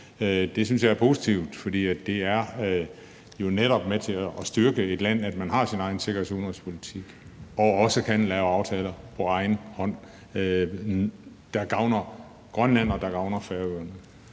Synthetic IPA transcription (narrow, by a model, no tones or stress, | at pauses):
d̥e̝syns̬jɑ̈ɪɐpʰo̝ːsit͡sʰiʊd̥fɒ̽d̥ḭːædd̥e̝æɐ | jo̝neɾɒ̽b̥met͡sʰe̝æʔːsd̥yɐɡ̥əe̝d̥læn̰æd̥mænɦɑ̈sinɑ̈ɪn̩se̝ɡɐhḛsuðnʁɐspʰo̝lit͡sʰiɡ̥ | ɒ̽ɒ̽səkʰænlɛːʊɑ̈ʊt͡sʰɛːlɐpʰɒ̽ɑ̈ɪn̩hɒ̽n̰ | d̥ɑ̈ɡ̥ɑ̈ʊnɐ | ɡ̥ʁɶnlæn̰ɒ̽d̥ɑ̈ɡ̥ɑ̈ʊnɐfæɐɡ̥øɐneð̰ˠ